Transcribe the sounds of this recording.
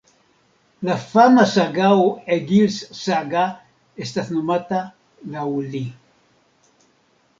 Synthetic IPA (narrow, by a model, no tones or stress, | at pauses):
lafamasaɡaueɡilssaɡa | est̪aθnumat̪a | lauli